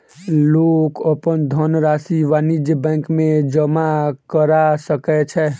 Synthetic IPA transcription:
lokəpənd̪ʱənɾasiʋanid͡ʒəbɛ̃ŋkmẽd͡ʒəmakəɾasəkɛt͡ʃʰɛ

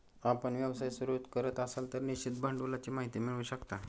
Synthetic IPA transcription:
apəɳʋjaʋsajsuɾut̪kəɾət̪əsalt̪əɾnit͡ɕit̪̚bʱaɳɖulat͡ɕimaɦit̪imiɭəʋuɕəkt̪a

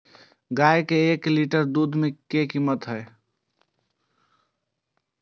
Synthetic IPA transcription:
ɡaekeːkliʈəɾd̪ud̪ʱmekekimət̪ɦəe

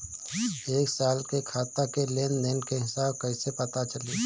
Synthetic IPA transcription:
eːksaːlkekʰaːt̪akeleːnd̪eːnkeɦɪsaːbkɐɪsepɐt̪at͡ʃəliː

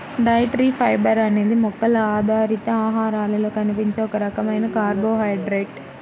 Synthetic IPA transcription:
ɖɐjʈɾiːpʰɐjbɐɾɐne̞ːd̪imɔkːɐlɐaːd̪ʱaːɾit̪ɐaːɦaːɾaːlɐlo̞ːkɐnipiɲt͡ʃe̞ːɔkɐɾɐkɐmɐjnɐkaːɾbo̞ːɦɐjɖɾeʈ

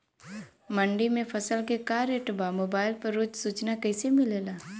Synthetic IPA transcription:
mə̃ɳɖimẽfʰɐsəlkekaːɾeʈbamoːbaːɪlpɐɾːʊd͡ʒsuːt͡ʃnakɛːsemɪleːlaː

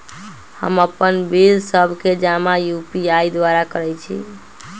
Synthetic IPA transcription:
hə̰məpːənbilsəbʱked͡ʒamajupiajd̪waɾakəɾɛt͡ʃʰḭ

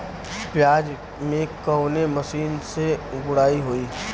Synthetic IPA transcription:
pjaːd͡ʒ | mẽkɔʊnemɐʃiːnseɡʊɽaːiɦoiː

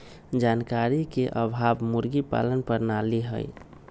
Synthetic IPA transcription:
d͡ʒankaɾikeʔəbʱabmuɾɡipa̰lənpəɾnaliɦə̰j

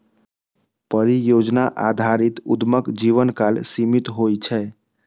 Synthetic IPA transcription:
pəɾijod͡ʒnaʔad̪ʱaɾit̪ud̪məkd͡ʒiʋənkalsimit̪ɦojt͡ʃʰɛ

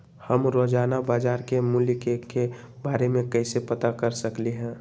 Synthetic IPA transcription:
həmɾod͡ʒaːnabaːd͡ʒaːɾkemʊlkeke | baːɾemẽkəɪsepət̪akəɾsəkliɦɛ̃ː

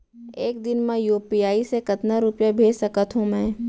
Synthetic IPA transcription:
eːk̚d̪ɪnmãjuːpijaːisekɐt̪naɾʊpjabʱeːd͡ʒsɐkət̪ɦõmɛ̃ː

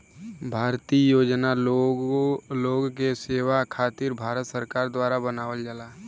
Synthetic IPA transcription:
bʱaːɾt̪ijoːd͡ʒna | loːɡkeseːʋakʰaːt̪ɪɾbʱaːɾət̪səɾkaːɾd̪waːɾabənaːwəld͡ʒəla

